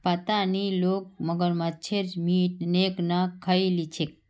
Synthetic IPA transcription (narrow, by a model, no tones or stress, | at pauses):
pat̪anilok̚məɡəɾmat͡ʃʰeɾmiʈ̚neknakʰailit͡ʃʰek